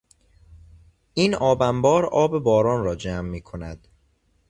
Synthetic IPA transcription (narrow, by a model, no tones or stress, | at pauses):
ʔiːnɒːbæmbɒːɾɒːbebɒːɾɒːnɾɒːd͡ʒæːmːiːkʰonæd̪̥